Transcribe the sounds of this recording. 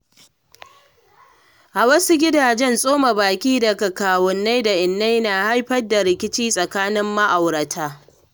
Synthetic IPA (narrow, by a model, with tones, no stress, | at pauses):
ʔa˨wɐ˦su˦ɡʲɪ˦daː˨d͡ʒɛ˦nsʼoː˦ma˨baː˨kʲiː˦dɐ˨kɐ˨kaː˨wɔ˨nːa˦jda˨ʔɪ˨nːa˦jnaː˨ha˦jɸɐ˦dːa˨ɾɪ˦˨kʲɪ˦t͡ʃiː˦sʼɐ˨kaː˦nɪ˦mːa˦ʔa˨wɽɐ˨tʰaː˦